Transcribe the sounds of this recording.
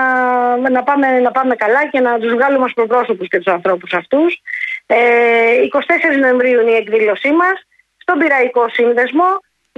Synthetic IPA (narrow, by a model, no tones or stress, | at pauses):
ɐnɐpɐme̞nɐpɐme̞kɐlɐce̞nɐt̪uzvɣɐlumɐspɾopɾo̞so̞pusce̞t̪u̥sɐnθɾo̞pusɐft̪useiko̞si̥t̪e̞se̞ɾizno̞e̞ɱvɾiuinie̞kðilo̞simɐsː | t̪o̞biɾɐiko̞sinðe̞zmo̞